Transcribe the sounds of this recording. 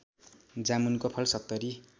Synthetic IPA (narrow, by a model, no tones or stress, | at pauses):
d͡zamunkopʰʌlsʌk̚t̪ʌɾi